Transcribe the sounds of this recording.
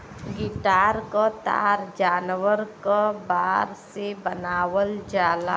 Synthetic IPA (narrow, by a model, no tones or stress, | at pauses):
ɡiʈaːɾkat̪a̰ːɾd͡ʒaːnwəɾkabaːɾsebənaːwəld͡ʒaːla